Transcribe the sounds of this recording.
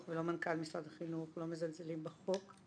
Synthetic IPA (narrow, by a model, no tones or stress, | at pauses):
velo̞mankalmisʁad̪aχinuχlo̞mezalzelimbeχok